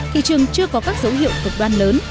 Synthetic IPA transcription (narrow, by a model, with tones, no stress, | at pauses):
t̪ʰḭ˧˨t͡ɕɨ˨˩əŋt͡ɕɨ˧əkɔ˨˦kaː˦˥k̚z̥ə˨˦whḭ˧˨ə˨wkɨ˨˩k̚ɗwaː˧nləː˨˦n